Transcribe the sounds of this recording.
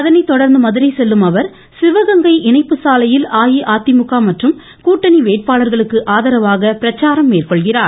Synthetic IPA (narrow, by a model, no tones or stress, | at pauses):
ɐðɐnɐɪt̪ɔɽɐɾnd̪ɯmɐðɯɾɐɪsɛlːɯmɐʋɐɾ | sɪʋɐɣɐŋɡɐɪʔɪɳɐɪpːɯsaːlɐjɪlaːjiʔaːt̪ːɪmʊkːaːmɐʈrɯm | kuːʈːɐniʋeːʈ̚paːlɐɾɣɐɭɯkːɯʔaːðɐɾɐʋaːɣɐpɪɾɐt͡ʃːaːɾɐmːeːrkɔɭɣɪraːɾ